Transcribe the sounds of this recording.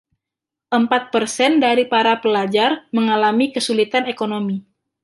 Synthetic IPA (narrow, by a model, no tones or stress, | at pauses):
ʔəmpat̪̚pərsɛndaɾipaɾapəlad͡ʒarməŋalamikəsulit̪anekonomi